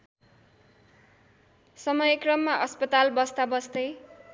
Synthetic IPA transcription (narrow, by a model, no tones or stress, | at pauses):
sʌmʌjekrʌmːaʔʌspʌt̪albʌst̪abʌsd̪ʌj